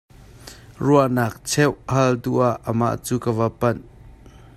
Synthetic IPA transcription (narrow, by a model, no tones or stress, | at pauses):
ruanaːk̚t͡sʰɛwhɐlduʔaʔːəma̰ʔt͡suːkəvɐpɐn